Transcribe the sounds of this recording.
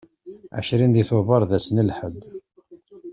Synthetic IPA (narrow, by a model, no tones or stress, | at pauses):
ʕa̰ʃɾind̪iθʊvəɾˤðæsənəlħəd̪